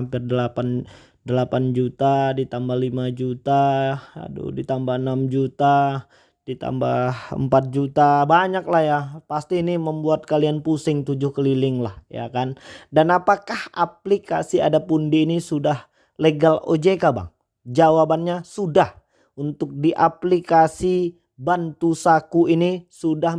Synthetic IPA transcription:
ampɪrdəlapan | dəlapand͡ʒut̪adit̪ambahlimad͡ʒut̪aa̰dṵdit̪ambahənamd͡ʒut̪a | d̥it̪a̰mba̰hə̰mpat̪̚d͡ʒut̪abaɲak̚lahjapast̪iːniməmbuat̪̚kalianpusɪŋt̪ud͡ʒʊhkəlilɪŋlahja̰kandanapakahaplikasia̰dapundiːnisudah | leɡalo̰d͡ʒekaba̰ŋ | d͡ʒawabanɲasudah | unt̪ʊk̚diʔaplikasi | bant̪usakuinisudah

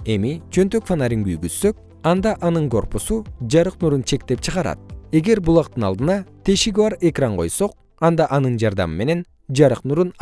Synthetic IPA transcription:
e̞mit͡ʃʰø̞nt̪økfanaɾʲiŋɡyjɡyzsø̞k̚ | ɑnd̪ɑʔɑnɯŋko̞̰rpusud͡ʒɑɾɯqnuɾunt͡ʃʰe̞kt̪e̞p̚t͡ʃʰɯʁɑɾɑ̰t̪̚e̞ɡe̞ɾbulˠɑq̚t̪ɯnɑlˠd̪ɯnɑt̪ʰe̞ʃiɡibɑɾe̞krɑɴqʰo̞̰jso̞q̚ | ɑnd̪ɑʔɑnɯnd͡ʒɑɾd̪ɑ̰mɯme̞ne̞n | d͡ʒɑɾɯqnuɾun

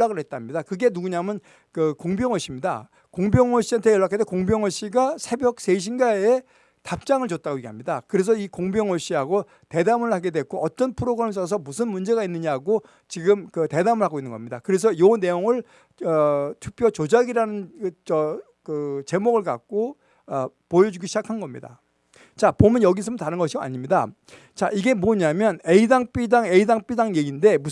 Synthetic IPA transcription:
ɭːaɡɯɭhet̚t͈amɲidakɯɡe̞nuɡuɲamjʌn | kɯkoŋbjʌŋwʌɕ͈imɲida̰ | koŋbjʌŋwʌɕ͈iɦantʰejʌɭːak͈ʰːetekoŋbjʌŋwʌɕ͈iɡasʰe̞bjʌk̚seɕ̬ʰinɡae | tap̚t͡ɕ͈aŋɯɭt͡ɕot̚t͈aɡoiɡiamɲidakɯɾe̞s̬ʰʌikoŋbjʌŋwʌɕ͈iɦaɡo | te̞damɯɭhaɡe̞dwe̞k͈ʰoʌt͈ʌnpʰɯɾoɡɯɾemsʰʌs̬ʰʌmusʰɯnmund͡ʑe̞ɡainːɯɲaɡo | t͡ɕiɡɯmkɯte̞damɯɭhaɡoinːɯnŋɡʌmɲidakɯɾe̞s̬ʰʌjone̞joŋɯɭ | ʌtʰu̥k̚pʰjot͡ɕod͡ʑaɡiɾanɯnt͡ɕʌ | kɯt͡ɕe̞moɡɯɭka̰k̚k͈o | ʌpojʌd͡ʑuɡiɕʰid͡ʑakʰanɡʌmɲḭda̰ | t͡ɕapomjʌnjʌɡisʰɯmɯntaɾɯnɡʌɕʰioa̰ɲimɲida | t͡ɕaʔiɡe̞moɲamjʌne̞idaŋp͈idaŋe̞idaŋp͈idaŋjeɡinde̞mu

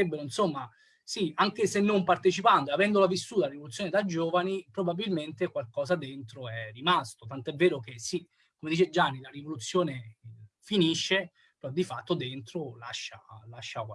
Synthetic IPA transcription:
ebːeɾoinsomːa | siaŋk̟esenːompart̪et͡ʃipant̪eavɛnd̪olavisːuːt̪alaɾivolut̪sːjoːned̪ajd͡ʒoːvanipɾobabːilment̪ekwalkɔːsad̪ent̪ɾoɛrimast̪ot̪ant̪oɛvːeːɾok̟esi | kːomed̪iːt͡ʃed͡ʒanːilarivolut̪sːjoːne | finiʃːe | peɾɔd̪ifat̪ːod̪ent̪ɾolaʃːa̰laʃːakwa

